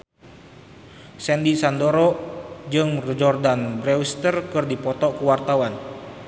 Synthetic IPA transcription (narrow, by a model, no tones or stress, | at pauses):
sɛndisandoɾɔd͡ʒɨŋrd͡ʒɔrdanbɾɛust̪ərkɨrdipɔt̪ɔʔkuwart̪awan